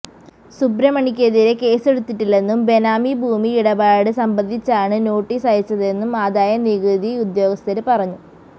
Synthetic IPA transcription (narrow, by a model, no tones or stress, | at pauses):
subɾɐmɐɳikʲːe̞ðiɾe̞ke̞ːse̞ɽut̪ːiʈːilːe̞nːumbe̞naːmibʱuːmiiɽɐbaːɽɨsɐmbɐnd̪ʱit͡ɕːaːɳɨno̞ːʈːiːsaːjit͡ɕːɐðe̞nːumaːd̪aːjɐniɣɨd̪iud̪jo̞ːɡɐst̪ɐɾɨpɐrɐɲːu